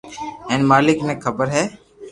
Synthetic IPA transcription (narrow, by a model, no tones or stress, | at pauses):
ɛ̃ːnmaːlɪkneːkʰəbəɾɦɛː